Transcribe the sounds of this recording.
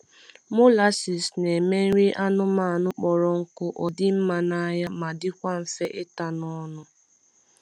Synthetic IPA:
mʊ˦la˦si˨sne˨me˦n̩˦ɾi˦ʔa˦nʊ˦ma˨a˨nʊ˦k͡pɔ˨ɾɔ˨ŋ̩˦kʊ˦ʔɔ˨dɪ˦m̩˦ma˨na˦ja˦ma˨dɪ˦kʷa˦ɱ̩˨fe˦ʔɪ˦ta˨nɔ˦nʊ˦

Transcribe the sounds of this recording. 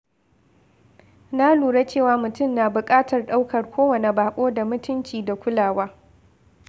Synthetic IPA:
na˦luː˨ɽa˦t͡ʃeː˦˨waː˨mʊ˨tʊ˦˨mna˨bʊ˨kʼaː˦tɐ˨rɗa˦wkʰɐ˨rkʷʰoː˦wɐ˨ne˨baː˨kʷʼoː˦da˨mʊ˦tʊ˦nt͡ʃiː˨da˨kʷʊ˦laː˨waː˦

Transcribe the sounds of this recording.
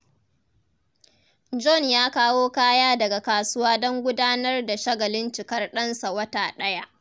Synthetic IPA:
d͡ʒɔ˦˨njaː˦kaː˦woː˦kaː˦jaː˦dɐ˨ɡa˨kaː˨sʊ˦waː˦dɔ˦ŋɡʷʊ˦daː˦nɐ˦rda˨ʃɐ˦ɡɐ˨lɪ˦nt͡ʃɪ˨kɐ˦rɗɐ˦nsa˨wɐ˦taː˨ɗɐ˦ja˦ʔ

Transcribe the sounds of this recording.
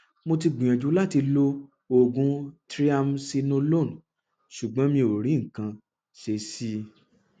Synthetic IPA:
mo˧ti˧ɡ͡bĩ˨ã˨d͡ʒu˨˦la˦˨ti˧lo˧ | o˨ɡũ˦tɾi˦a˦˧msi˧nõ˦lo˦˨n˨ | ʃu˨ɡ͡bɔ̃˨˦mĩ˧o˨ɾ̃ĩ˨˦ŋ̩˨kã˧ | ʃe˧˦si˦

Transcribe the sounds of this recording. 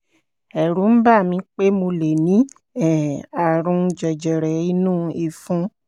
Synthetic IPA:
ɛ˨ɾũ˨˦m̩˦ba˦˨mĩ˧˦k͡pe˦mo˧le˨nĩ˨˦ | ɛ˨a˨ɾũ˧d͡ʒɛ˨d͡ʒɛ˨ɾɛ˨i˦nũː˦i˧fũ˦

